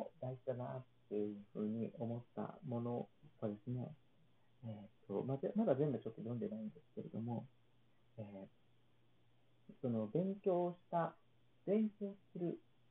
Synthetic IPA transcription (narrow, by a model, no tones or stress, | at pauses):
od̪aiʑid̪anat̪ːejɯɯ̟ɸɯ̟̰ːɲ̟iʔo̞mo̞t̪ːa̰mo̞no̞βad̪e̞sɨne̞̰ | et̪ʰːo̞̰mazemad̪azẽ̞mbɯ̟t͡ɕo̞t̪ːo̞jõ̞nd̪e̞naĩnd̪e̞sɨ̥ke̞ɾe̞̰d̪o̞mo̞ | eː | so̞no̞bẽ̞ŋkʲo̞ːɕi̥t̪a | b̥ẽ̞ŋkʲo̞ːssɨɾɯ̟